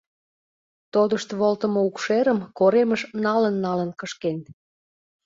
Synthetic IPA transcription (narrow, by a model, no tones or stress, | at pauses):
t̪od̪əʃt̪βolt̪əmoukʃeɾəmkoɾeməʃnɑlənːɑlənkəʃken